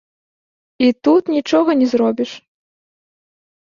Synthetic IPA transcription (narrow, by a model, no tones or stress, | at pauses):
it̪ut̪nʲit͡ʂɔɣɐnʲɛzɾɔbʲiʂ